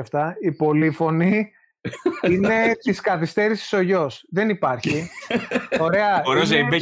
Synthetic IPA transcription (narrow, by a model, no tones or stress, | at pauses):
ɐft̪ɐipo̞lifo̞ni | ine̞t̪iskɐθist̪e̞ɾisi̥so̞ʝo̞sðe̞nipɐɾçi | o̞ɾe̞ɐoɾeozebe